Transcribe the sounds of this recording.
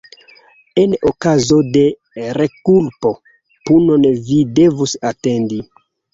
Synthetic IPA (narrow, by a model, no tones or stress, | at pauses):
enokazo̞de̞ | ɾekulpo̞ | punonvide̞vusate̞ndi